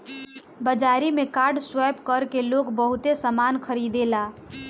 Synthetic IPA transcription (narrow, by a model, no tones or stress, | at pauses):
bəd͡ʒaɾimekaɾɖswɛpkəɾkelokbəɦut̪esəmankʰəɾid̪ela